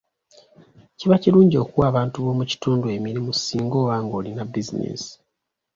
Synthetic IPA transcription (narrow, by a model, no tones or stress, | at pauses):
ciβaciɾuːɲɟo̞ːkuwaːβaːntuβo̞ːmuci̥tuːndue̞miɾimusiːŋɡo̞ːβaːŋɡo̞ːlinabizinḛsi̥